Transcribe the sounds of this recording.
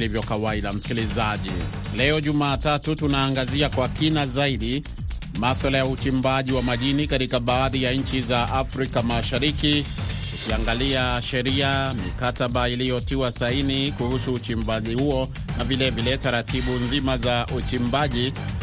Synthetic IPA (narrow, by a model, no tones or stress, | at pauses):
livjɔkawaiɗam̩si̥kilizaʄḭ | lɛɔʄumaːtatutunaːŋɡaziakwakinazaiɗi | maswalajaut͡ʃimbaʄiwamaʄinikatikaɓaːðijaɲ̩t͡ʃizaʔafɾikamaʃaɾiki | ukiaŋɡaliaʃɛɾiamikataɓailijɔtiwasainikuhusuːt͡ʃimbaʄihuɔ | navilɛvilɛtaɾatiɓunzimazaʔut͡ʃimbaʄi